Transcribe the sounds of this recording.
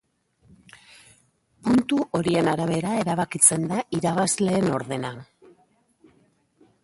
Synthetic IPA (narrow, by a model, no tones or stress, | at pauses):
punt̪uʔo̞ɾie̞naɾaβ̞e̞ɾae̞ɾaβ̞akit͡se̞nd̪aʔiɾaβ̞azle̞ːno̞ɾðe̞na